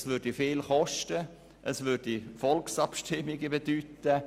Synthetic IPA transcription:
svʏɾdifeːlχɔʃtə | ʔəsvʏɾd̥ifɔlksɑpʃtɪmːɪɡəbedyːtə

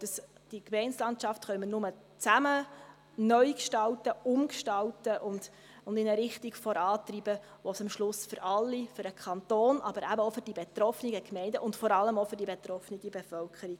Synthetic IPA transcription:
d̥ɑs | d̥ikmɛɪnslɑntt͡ʃɑftχœʏmənʊmə | t͡sæmə | nœʏkʃtɑltəʊmkʃtɑltəʔʊnd̥ | ʊndɪnəɾɪχtiɡfɔɾɑːtribə | ʋɔsɑmʃlʊsfʏɾɑlːifʏɾəkʰɑnt̪oːnʔɑb̥əɾæbəofʏɾd̥ibetɾɔfəniɡəkmɛɪndəʔʊntfɔɾɑlːəmofʏɾdibet̪ɾɔfniɡibefœlkʰəɾiɡ

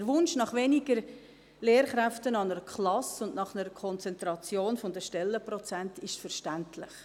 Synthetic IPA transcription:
əɾʋʊnʃnɑχʋeniɡəɾ | leːɾχɾæftənɑnəɾəkʰχlɑsʊndnɑχnəɾəkʰɔnt͡sɛnt̪ɾɑt͡sjoːnfʊnd̪əʃtɛlːəprɔt͡sæntɪʃtfəɾʃtæntʰlɪχ

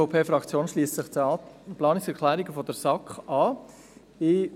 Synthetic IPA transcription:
opʰeːfɾɑkt͡sjoːnʃliːstsɪχplɑːnɪksɛɾkʰlæːɾiɡəfɔdɛɾsɑkχʔɑː | ɪ

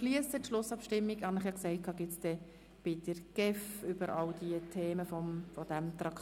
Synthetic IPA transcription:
liəstətʃlʊsɑpʃtɪmːiɡhɑnɪχjɑksɛɪt̚kʰɑːɡɪtt͡sd̥̪ɛ | b̥ɪd̪̥əɾɡ̥ɛfʏb̥əɾʔɑwd̥iətʰeːməfɔmfɔd̥æmt̪ɾɑk

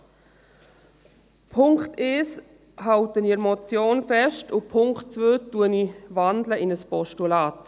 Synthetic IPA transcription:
pʰʊŋkteːs | ɦawtəniəɾmɔt͡sjoːnfɛʃtʊpʰʊŋktt͡svøːtuənivandləʔɪnəspɔʃtulaːt

